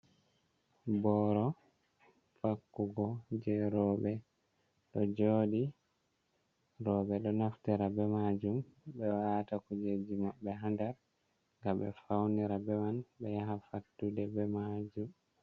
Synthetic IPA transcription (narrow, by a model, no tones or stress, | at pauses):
bɔɾɔ | fakːuɡɔd͡ʒɛɾɔbɛ | ɗɔd͡ʒoːɗi | ɾɔɓɛɗɔnaftɛɾabɛmad͡ʒumbɛwatakud͡ʒed͡ʒimaɓːɛɦandaɾ | ŋɡaɓɛ̰fawniɾabɛwanbɛjaɦafatːudɛbɛmad͡ʒum